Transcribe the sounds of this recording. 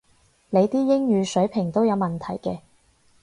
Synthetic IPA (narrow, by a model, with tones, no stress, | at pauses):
le˨˧jt̪iː˥jɪ˥ŋjyː˨˧sɵ˨˥ɥpʰɪ˨˩ŋt̪o˥wjɐ˨˧wmɐ˨˩nt̪ʰɐ˨˩jkɛː˧